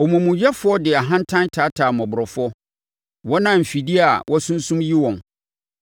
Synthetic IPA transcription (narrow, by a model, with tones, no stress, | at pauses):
ɔ˨mũ˨mũ˨jɛ˦fʊ˦ɔ˦dɪ˨a˨ɦã˦n̩˦tʰã˦ntʰaː˨˦tʰaː˨mɔ̃˨bʊ˨ɾɔ˨fɔ˦ | wɔ˦nã˦m̩˨fi˨di˦a˨wʔɔ˦sũ˦n̩˦sũ˦mji˦wɔ̃˨n